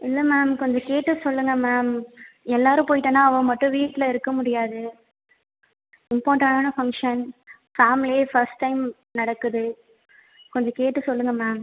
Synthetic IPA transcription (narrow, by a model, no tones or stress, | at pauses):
ɪlːɐmaːmkɔɲd͡ʒɐ̃keːʈːɯsɔlːɯŋɡɐmaːmɛlːaːɾɯ̃poːjɪʈːɐ̃ːnːãːɐʋɐ̃mɐʈːʊ̃ʋiːʈːɪlɐɪɾɯkːɐmʊɽɪjaːðɯ | ɪmpoːʈaːnaːnɐfɐŋkʂɐn | faːmɪlefɐɾsʈːɐɪm | nɐɽɐkːɯðɯ | kɔɲd͡ʒɐ̃keːʈːɯsɔlːɯŋɡɐmaːm